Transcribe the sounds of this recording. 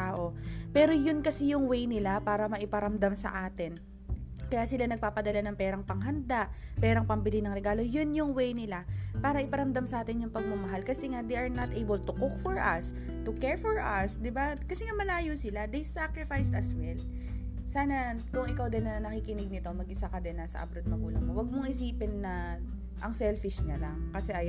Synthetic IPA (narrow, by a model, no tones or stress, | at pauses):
aːʔo̞pɛːɾo̞jʊnkɐsɛjʊŋwɛjnɪlapaːɾɐmɐʔɪpɐɾɐmd̪amsɐ̰ʔaːt̪ɪn | kɐjaːsɪlanɐɡ̚paːpɐd̪ɐlanɐŋpɛːɾɐŋpɐŋɦɐnd̪aʔpɛːɾɐŋpɐmbɪlinɐŋɾɛɡaːlo̞jʊnjʊŋwɛjnɪlapaːɾɐʔɪpɐɾɐmd̪amsɐʔaːt̪ɪnjʊŋpɐɡ̚mɐmɐɦalkɐsɛŋad̪ejʔɐɹnɐt̪ʔejbɛlt̪ʊkuk̚fɔɹʔɐ̰s | t̪ʊkɛɹfɔɹʔɐsd̪ɪbakɐsɛŋamɐlaːjosɪlad̪ejsakɹɪfajst̪ɐswɛl | saːnɐkʊŋʔɪkawd̪ɪnːɐnɐkikɪnɪɡ̚nɪt̪o̞mɐɡʔɪsakɐd̪ɛnːasɐ̰ʔɐ̰bɾod̪̚mɐɡuːlɐŋmowɐɡ̚moŋʔɪsiːpɪnːɐ | ʔɐŋsɛlfɪʃɲalɐŋkɐsɛʔɐj